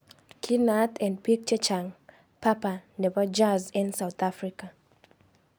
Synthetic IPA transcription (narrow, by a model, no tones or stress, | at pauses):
kʰinat̪ʰɛ̃ndpik̚t͡ʃɛt͡ʃaŋ | papanɛbad͡ʒazĩnsawt̪afɾika